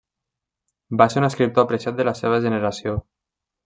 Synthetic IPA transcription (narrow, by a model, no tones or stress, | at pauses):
baseɾunəskɾip̚t̪oapɾeʃat̪̚d̪əlaseβ̞əʒənəɾasio